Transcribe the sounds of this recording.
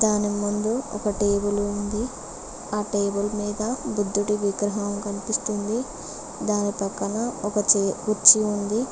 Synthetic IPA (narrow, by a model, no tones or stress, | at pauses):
d̪aːnimund̪uɔ̰kɐʈeːbulund̪i | aːʈeːbulmiːd̪ɐbud̪ːuʈiʋiɡɾɐɦɐɐmkɐnipist̪und̪i | d̪aːnipɐkːɐnɐɔkɐt͡ʃːuɾt͡ʃiund̪i